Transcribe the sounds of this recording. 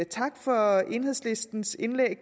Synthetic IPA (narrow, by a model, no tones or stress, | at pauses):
t͡sʰɑ̈ɡ̥fɒ̽ʔe̝nheðˠsle̝sd̥n̩se̝nleɡ̥̚